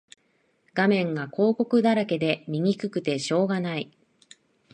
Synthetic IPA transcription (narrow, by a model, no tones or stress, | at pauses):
ɡ̥amẽ̞ŋɡakʰo̞ːko̞kɯ̟d̪aɾake̞d̪e̞mʲiŋʲikɯ̟kɯ̟t̪e̞ɕo̞ːɡanai